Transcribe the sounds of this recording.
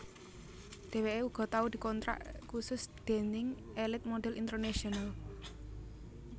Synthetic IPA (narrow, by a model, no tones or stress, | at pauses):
d̪̥e̤weʔeuɡ̥ɔ̤t̪aud̪̥i̤kɔnt̪ɾa̰ʔkusʊsd̪̥e̤nɪŋ | elɪt̪̚moɖ̥ɛ̤lint̪ərnaʃiɔnal